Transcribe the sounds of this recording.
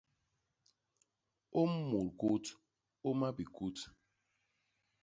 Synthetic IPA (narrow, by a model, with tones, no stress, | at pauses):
o˦m̩˦mu˨ɾku˦t | o˦ma˦bi˨ku˦t